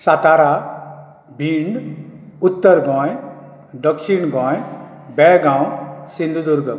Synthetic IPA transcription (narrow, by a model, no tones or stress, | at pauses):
sat̪aɾa | bʱiːɳɖʊt̪ːəɾɡɔ̃j | d̪əkʃiɳɡɔ̃j | bɛɡãwsĩnd̪ʱud̪uɾɡ